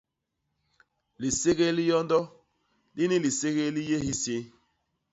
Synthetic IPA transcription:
li˨se˦ɣe˦li˦jɔ˦ndɔ˦ | li˦ni˦li˨se˦ɣe˦li˦je˦hi˦se˦

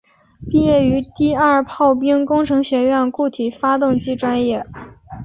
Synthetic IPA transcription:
pi˥˧jɛ˥˩y˧˥t̪i˥˧ɐ˞˥˩pʰɑ˥˩ʊpi˥ŋkʊ˥ŋʈ͡ʂʰɤ˧˥ŋɕɥɛ˧˥ɥɛ˥˧nku˥˩t̪ʰi˨˩fa˥t̪ʊ˥˧ŋt͡ɕi˥˩ʈ͡ʂwa˥njɛ˥˩

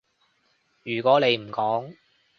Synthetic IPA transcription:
jyː˨˩kwɔː˨˥ne˨˧jm̩˨˩kɔː˨˥ŋ

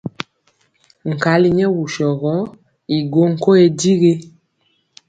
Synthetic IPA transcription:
ŋ̩˨ka˨˦li˦ɲɛ˦wu˨ʃɔ˨ɣɔ˨˦ | i˨ɡo˦ŋ̩˨ko˦e˦di˦ɣe˦

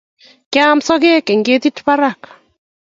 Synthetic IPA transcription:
kja˦msɔ˦ɡe˦ke˨ŋɡe˦t̪i˦tpa˦ɾa˦˨kḁ˨

